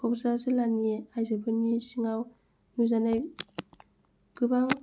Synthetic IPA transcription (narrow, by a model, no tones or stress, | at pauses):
kʰɔpzazɯlaniajzabɯnisiŋaw | nuzanaj | ɡ̥ɯbaŋ